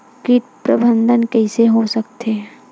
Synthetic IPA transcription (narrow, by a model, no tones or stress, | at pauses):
kit̪̚pɾɐbə̃nd̪ʱənkɛːseɦosɐkt̪e